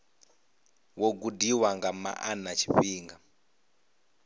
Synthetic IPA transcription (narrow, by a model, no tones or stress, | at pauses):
wɔɡudiwaŋɡama̰ʔanat͡ʃʰi̥ɸiːŋɡa